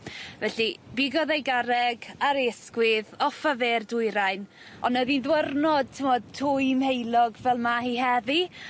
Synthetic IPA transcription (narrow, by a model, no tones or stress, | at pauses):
vɛɬibɪɡɔðejɡaɾɛɡaɾeskwɪðɔfaverdʊɨɾajn | ɔnəðinðwərnɔd̚tʰɪmɔd̚tʰujmhejlˠɔɡvɛlˠmahihɛvi